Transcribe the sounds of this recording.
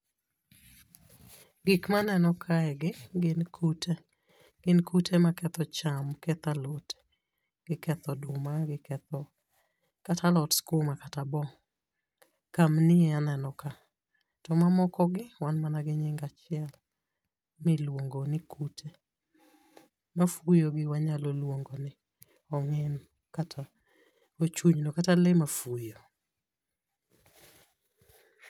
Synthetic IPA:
ɡikmanɛnɔkʰaɛɡɪɡɪnkʰute | ɡ̥ɪnkutʰemakɛt̪ɔt͡ʃamkɛt̪alot | ɡ̥ɪkɛt̪ɔdʊmaɡɪkɛt̪ɔ | katʰalɔtskumakatabɔ | kamnɪɛanɛnɔka | tɔmamɔkɔɡɪwanmanaɡɪɲɪŋɡat͡ʃɪɛl | mɪlwoŋɡonɪkʰutʰe | mafujoɡɪwaɲalolwoŋɡonɪ | ɔŋɛn | katʰa | ot͡ʃuɲnokatalɪmafujo

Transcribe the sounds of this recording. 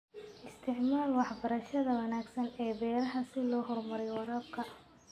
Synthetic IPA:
ʔɪst̪ʰɪʕmaːlwɑħbɐɾɐʃɐðɐwɐnaːɡsɐnɛːbɛːɾɐɦɐsɪlɔːɦɔrmɐɾɛjwɑɾaːb̚kʰɐ

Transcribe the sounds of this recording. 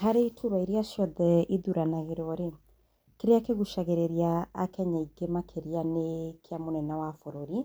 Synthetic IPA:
ɦaɾeitʰuɾwaiɾeaʃɔðɛʔiðuɾanaɣeɾɔɾe | keɾeakeɣuʃaɣeɾeɾiaːkɛɲaiɡemakʰeɾianekeamonɛnawafoɾoɾi

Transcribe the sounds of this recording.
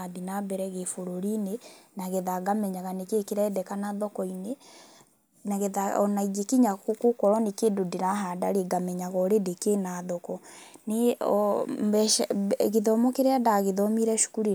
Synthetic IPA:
adinabɛɾɛɣefoɾoɾinenaɣeðaɡamɛɲaɣanekekeɾɛːdɛkanaðɔkɔine | naɣeðaɔ̰naid͡ʒekiɲakokokɔɾɔnekeːndodeɾaɦadaɾeɡamɛɲaɣɔɾedekenaðɔkɔne | bɛɣeðɔmɔkeɾeadaɣeðɔmiɾɛʃu̥kuɾi

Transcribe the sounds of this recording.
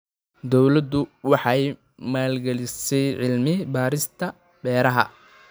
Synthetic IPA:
d̪ɔwlɐd̪ʊwɑħɑj | maːlɡɐlɪsɛjʕɪlmɪbaːɾɪst̪ʰɐ | bɛːɾɐɦɐ̰

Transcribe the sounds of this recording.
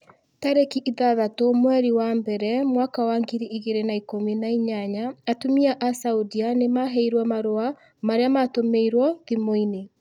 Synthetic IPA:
taɾekiʔiðaðatomwɛɾiwambɛɾɛmwakawaŋɡiɾiiɣeɾenaikominaiɲaɲaːtumiaʔasaudianemaɦɛiɾwamaɾoa | maɾeamatomeiɾwɔðimoine

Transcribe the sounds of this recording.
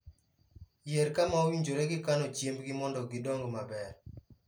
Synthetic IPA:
jeɾkamaowiɲd͡ʒoɾeɡɪkanɔt͡ʃjembɡɪmɔndɔɡɪdɔŋɡmabɛɾ

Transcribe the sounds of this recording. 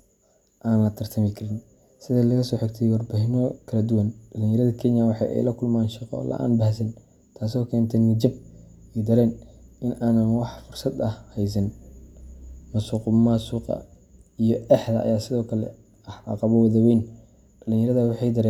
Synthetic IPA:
ʔaːnlɐt̪ʰɐrt̪ʰɐmɪkʰɐɾɪn | sɪðɐlɐɣɐsɔːħɪɡt̪ʰɛjwɑrbaːɦɪmɔkʰɐlɐd̪ʊwɐnɖɐlɪnjɐɾɐðɐkʰɛnjɐwɑħɑ̰jʔɛ̰jlɐkʰʊlmaːnʃɑqɔ̰lɐ̰ʔa̰ːnbɐhsɐn | t̪ʰaːs̬ɔːkʰɛːnt̪ʰɛnːɪd͡ʒɐb | ɛjd̪ɐɾɛːnʔɪnʔaːnɐnwɑħfʊrsɐd̪ɐhhɛjs̬ɐn | mɐsuːqmasuːqɑ̰ | ijɔʔɛħðɐ̰ʔːjaːsɪðɔːkʰɐlɛ̰ | ɐħɑ̰qɑβɔwɐðɐwɛjn | ɖɐlɪŋjɐɾɐðɐwɑħɑjd̪ɐɾɛː

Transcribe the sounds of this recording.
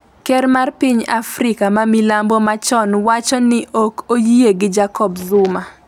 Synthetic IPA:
kɛɾmarpiɲafɾɪkamamilambɔmat͡ʃɔnwat͡ʃɔnɪʔokojieɡɪd͡ʒakɔbzʊma

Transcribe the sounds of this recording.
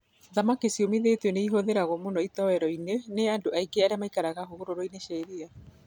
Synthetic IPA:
ðamakisiɔmiðetɔneiɦoðeɾaɣɔmonɔitɔwɛɾɔineneandoaiɡeaɾeamaikaɾaɣaɦoɣoɾoɾɔineʃaiɾia

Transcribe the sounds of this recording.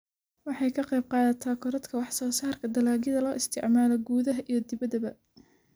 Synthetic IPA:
wɑħɑjkʰɐqɑjb̚qɑːðɐt̪ʰɐkʰɔɾɐd̪kʰɐwɑħsɔːsaːrkʰɐd̪ɐlaːɣɪðɐlɔːʔɪst̪ʰɪ̰ʕmaːlɐɡuːðɐɦɐʔijɞd̪ɪβɐðɐβɐ

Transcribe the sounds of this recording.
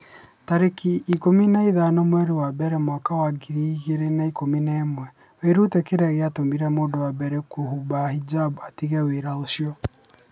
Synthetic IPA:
taɾekiːkominaiðanɔmwɛɾewabɛɾɛmwakawaɡiɾiɣeɾenaikominaemwɛ | weɾutɛkeɾɛɣeatomiɾɛmoːndɔwabɛɾɛkohubahid͡ʒabatiɣɛweɾaoʃjɔ

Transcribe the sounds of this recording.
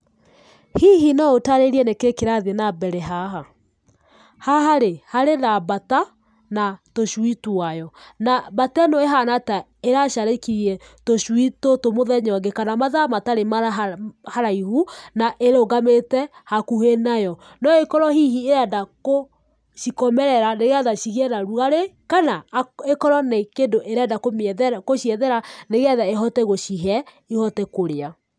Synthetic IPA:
hiɦinaotaɾeɾiɛnekekeɾaðenabɛɾɛɦaɦa | haɦaɾehaɾenabata | natoʃwituajɔnabatɛnɔeɦanata | eɾaʃaɾekiɾiɛ | toʃwitotomoðɛɲɔɡekanamaðamataɾemaahaɾaihunaʔeɾoɡametɛhakuhenajɔ | nɔɔekɔɾɔhihieɾɛdako | ʃikɔmɛɾɛɾaneɣeaðaʃiɣɛnaɾuɣaɾekanaekɔɾɔnekendoʔeɾɛdakomeɛðɛɾakoʃiɛðɛɾaneɣɛðaeɦɔtɛɣoʃiɦɛ | ihɔtɛkoɾea

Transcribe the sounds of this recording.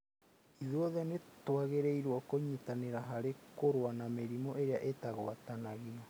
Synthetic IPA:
iðwɔðɛnetwaɣeɾeiɾwɔkoɲitaneɾaɦaɾekoɾwanameɾimɔʔeɾeaʔetaɣoatanaɣinɔ

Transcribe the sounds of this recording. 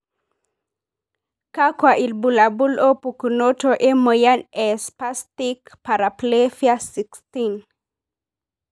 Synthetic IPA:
kakwaʔilbulabulopukunotoʔɛməjanɛspast̪ikpaɾaplefjasikst̪in

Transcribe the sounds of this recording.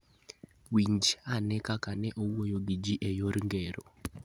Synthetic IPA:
wiɲd͡ʒanɛkakanɛʔowojoɡid͡ʒiʔɛjoɾiŋɡɛɾɔ

